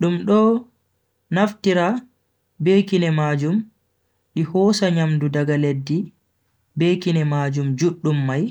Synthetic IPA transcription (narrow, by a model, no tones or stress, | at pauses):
ɗumɗɔ | naftiɾa | beːkinɛmaːd͡ʒum | ɗihɔːsaɲamdudaɡaledːi | beːkinɛmaːd͡ʒumd͡ʒuɗːumːaj